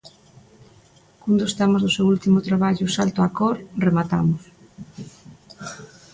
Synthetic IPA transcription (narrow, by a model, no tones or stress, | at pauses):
kund̪ost̪amozðʊsewult̪imʊt̪ɾaβaʎʊsalt̪oakoɾremat̪a̰mʊs